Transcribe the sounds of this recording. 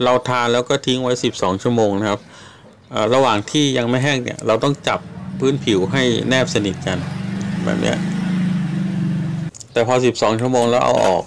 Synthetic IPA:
ɾa˧wt̪ʰaː˧nlɛː˦˥wkɔː˥˩t̪ʰi˦˥ŋwa˦˥jsi˨˩p̚sɔː˩˦ŋt͡ɕʰu˥˩ɐəmoː˧ŋna˥kʰa˦˥p̚ | ʔaː˨˩ɾa˧waː˨˩ŋt̪ʰiː˥˩ja˧ŋma˥˩jɦɛ˥˩ŋnḭ˧˩ɐɾa˧wt̪ɔ˥˩ŋt͡ɕa˨˩pʰːɯː˦˥npʰi˩˦wɦa˥˩jnɛː˥˩p̚sa˧ni˨˩t̪̚ka˧nbɛ̰ː˨˩p̚nḭ˦˥ɐʔ | t̪ɛː˨˩pʰɔː˧s̬i˨˩p̚sɔː˩˦ŋt͡ɕʰu˥˩ɐmoː˧ŋlɛː˦˥wʔa̰˧wʔɔ̰ː˨˩k̚

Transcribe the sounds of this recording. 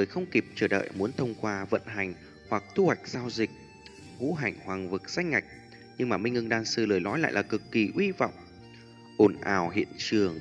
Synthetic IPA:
zɨ˨˩əjxə˧wŋ͡mki˨˩p̚t͡ɕəː˧˩ɗə̰ː˧˨jmu˨˦ənt̪ʰə˧wŋ͡mkwaː˧və̰˧˨nɦa˨˩jŋ̟ | hwa˨˩k̚t̪ʰu˧hwa˨˩jk̟̚z̥aː˧wzï˨˩k̚ | hṵ˧˥ɦa˨˩jŋ̟hwaː˨˩ŋvɨ˨˩k̚sa˧˥jŋ̟ŋa˨˩jk̟̚ | ɲɨ˧ŋmaː˨˩mï˧ŋ̟ŋɨ˧ŋɗaː˧nsɨ˧ləː˨˩jlɔ˨˦jla̰ː˧˨laː˨˩kɨ˨˩kːi˨˩ʔwi˧va̰˧˨wŋ͡m | ʔo˨˩nʔaː˨˩wɦḭ˧˨ənt͡ɕɨ˨˩əŋ

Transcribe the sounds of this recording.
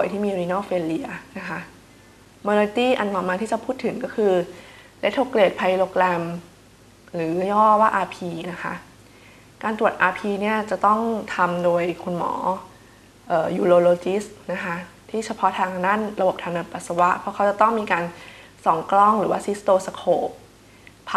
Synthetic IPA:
pu˨˩əjt̪ʰiː˥˩miː˧ɾi˧nɔː˥˩feː˧li˧ɐna˦˥kʰa˦˥ʔ | moː˧le˧t̪iː˥˩ʔa˧nlɔ˨˩maː˧t̪ʰiː˥˩t͡ɕa˨˩pʰuː˥˩t̪ʰːɯ˨˩˦ŋkɔ˥˩kʰɯː˧ | le˦˥t̪ʰːo˧kleː˨˩t̪̚pʰa˧jloː˧klɛ˧m | ɾɯː˩˦jɔː˥˩waː˥˩ʔaː˧pʰiː˧na˦˥kʰa̰˦˥ʔ | kaː˧nt̪ɾu˨˩ət̪̚ʔaː˧pʰiː˧ni˥˩ɐt͡ɕa˨˩t̪ɔ˥˩ŋt̪ʰa˧mdoː˧jkʰo˧nmɔ̰ː˩˦ | ʔɤː˨˩juː˧loː˧loː˧t͡ɕi˦˥stna˦˥kʰa˦˥ʔ | t̪ʰiː˥˩t͡ɕʰa˧pʰɔ˦˥t̪ʰaː˧ŋkna˥˩˨nɾa˧bo˨˩p̚t̪ʰaː˧ŋna˧˩npa˨˩t̪̚sa˧wa˦˥ʔpʰɔ˦˥kʰa˦˥wt͡ɕa˨˩t̪ɔ˥˩ŋmiː˧kaː˧nsɔ˩˦ŋklɔ˥˩ŋɾɯː˩˦waː˥˩si˦˥st̪oː˧sa˧kʰoː˧˩ | pʰ

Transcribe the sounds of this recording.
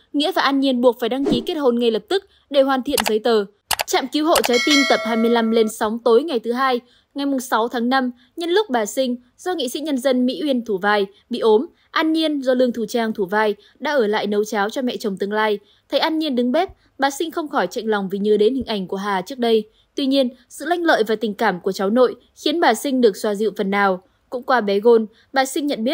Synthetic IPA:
ŋḭ˧˥əvaː˨˩ʔaː˧nɲi˧ənɓu˨˩ək̚faː˧˩jɗa˧ŋki˨˦ke˦˥t̚ho˨˩nŋa˨˩jlə˨˩p̚t̪ɨ˦˥k̚ | ɗe˧˩hwaː˨˩nt̪ʰḭ˧˨ənzə˨˦jt̪əː˨˩ | t͡ɕa̰ː˧˨mki˨˦wɦho̰˧˨t͡ɕaː˨˦jt̪i˧nt̪ə˨˩p̚haː˧jmɨ˧əjla˧mle˧nsa˨˦wŋ͡mt̪o˨˦jŋa˨˩jt̪ʰɨ˨˦ɦaː˧j | ŋa˨˩jmʊ˨˩ŋ͡msa˨˦wt̪ʰaː˨˦ŋna˧m | ɲɨ˧nlʊ˦˥k͡p̚ɓaː˨˩sï˧ŋ̟ | zɔ˧ŋḭ˧˨sḭ˧˥ɲə˧nzə˧nmḭ˧˥wi˧ənt̪ʰu˧˩vaː˧j | ɓḭ˧˨ʔo˨˦m | ʔaː˧nɲi˧ənzɔ˧lɨ˧əŋt̪ʰu˧˩t͡ɕaː˧ŋt̪ʰu˧˩vaː˧j | ɗa̰ː˧˥ʔəː˧˩la̰ː˧˨jnə˨˦wt͡ɕaː˨˦wt͡ɕɔ˧mɛ̰˧˨t͡ɕə˨˩wŋ͡mt̪ɨ˧əŋlaː˧j | t̪ʰə˨˦jʔaː˧nɲi˧ənɗɨ˨˦ŋɓɛ˦˥t̚ | ɓaː˨˩sï˧ŋ̟xə˧wŋ͡mxɔ˧˩jt͡ɕa̰˧˨jŋ̟lɔ˨˩wŋ͡mvi˨˩ɲɨː˨˩ɗe˨˦nhï˨˩ŋ̟ʔa˧˩jŋ̟ku˧˩əɦaː˨˩t͡ɕɨ˦˥ək̚ɗə˧j | t̪wi˧ɲi˧ənsɨ̰˧˨la˧jŋlə̰ː˧˨jvaː˨˩t̪ï˨˩ŋ̟kaː˧˩mku˧˩ət͡ɕa˨˦wno̰˧˨j | xi˨˦ənɓaː˨˩sï˧ŋ̟ɗɨ˨˩ək̚swaː˧˩zḭ˧˨wfə˨˩nːaː˨˩w | kʊ̰˧˥ŋ͡mkwaː˧ɓɛ˨˦ɣo˧n | ɓaː˨˩sï˧ŋːɲə̰˧˨nɓi˦˥t̚

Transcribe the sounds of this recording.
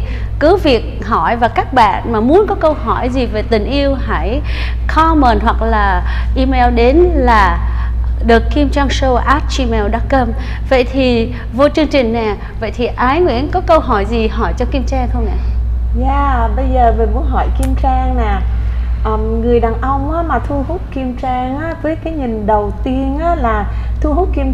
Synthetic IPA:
kɨ˨˦vi˨˩ək̚ɦɔ˧˩jvaː˨˩kaː˦˥k̚ɓa̰ː˧˨nmaː˨˩mu˨˦ənkɔ˨˦kə˧wɦɔ˧˩jzi˨˩ve˨˩t̪ï˨˩ŋ̟ʔi˧əwhaː˧˩˨j | xɔ˧˦məː˨˩nɦwa˨˩k̚laː˨˩ʔi˧mɛ˧wɗe˨˦nlaː˨˩ | ɗɨ˨˩əkːi˧mt͡ɕaː˧ŋso˧wʔa˦˥t̚t͡ɕi˧mɛ˧wɗa˧˦˥kə˧m | və̰˧˨jt̪ʰi˨˩ | vo˧t͡ɕɨ˧əŋt͡ɕï˨˩ŋ̟nɛ˨˩ | və̰˧˨jt̪ʰi˨˩ʔaː˨˦jŋwḭ˧˥ənkɔ˨˦kə˧wɦɔ˧˩jzi˨˩ɦɔ˧˩jt͡ɕɔ˧ki˧mt͡ɕaː˧ŋxə˧wŋ͡mnɛ̰˧˨zaː˧˨ɓə˧jzəː˨˩vəː˨˩vu˨˧˦ɦɔ˧˩jki˧əmt͡ɕaː˧ŋnɛ˨˩ʔəː˨˩mŋɨ˨˩əjɗaː˨˩ŋʔə˧wŋ͡mʔaː˨˦maː˨˩t̪ʰu˧ɦu˦˥t̚ki˧əmt͡ɕaː˧ŋʔaː˧˥vəː˨˦jkaː˨˦jɲï˨˩ŋɗə˨˩wt̪i˧ənʔaː˨˦˥laː˨˩t̪ʰu˧ɦu˦˥t̚ki˧m

